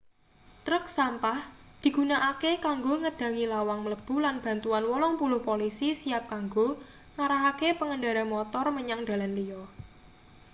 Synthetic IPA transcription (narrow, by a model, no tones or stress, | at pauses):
t̪ɾək̚sampahd̪̥i̤ɡ̥unaʔakekaŋɡoŋəd̥ä̤ŋilawaŋmələb̥ṳlanb̥a̤nt̪uanwɔlɔŋpulʊhpolisisiap̚kaŋɡo | ŋaɾaɦakepəŋənɖaɾamɔt̪ɔrməɲaŋd̪̥a̤lanliɔ